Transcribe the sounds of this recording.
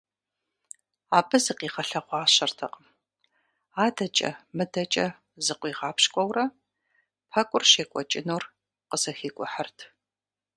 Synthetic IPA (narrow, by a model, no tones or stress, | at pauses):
aːbɨzɨqiːʁɐɬɐqʷɑːɕɐrtʰɐqm | aːdɐt͡ʃʼɐ̰mɨdɐt͡ʃʼɐ | zɨqʷiːʁɑːpɕkʷʼɔwrɐ | pʰɐkʷʼʊrʃeːkʷʼɔt͡ʃʼɪnoːr | qəsɐxiːkʷʼʊħərtʰ